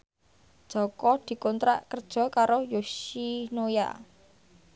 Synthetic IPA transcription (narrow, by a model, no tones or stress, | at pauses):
d̥ʒ̥ɔ̤kɔd̪̥i̤kɔnt̪ɾa̰ʔkərd̥ʒ̥ɔ̤kaɾojoʃinoja̰